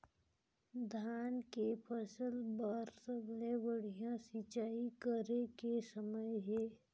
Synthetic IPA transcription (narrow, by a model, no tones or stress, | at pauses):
d̪ʱaːnkepʰəsəlbaɾsəblewəɽ̤ijãsɪt͡ʃaːikəɾekesəməjɦeː